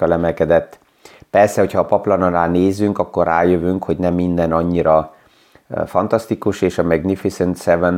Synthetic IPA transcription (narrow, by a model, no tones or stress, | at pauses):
ɒlɛmɛlkɛd̪ɛt̪ː | pɛrsɛho̞chɒːpɒplɒnɒnaːlneːzyŋkɒkːo̞raːjøvyŋkhoɟnɛmːind̪ɛnɒɲːiɾɒ | fɒnt̪ɒst̪ikuʃeːʃɒmɛɡnifisɛnt̪sɛvɛn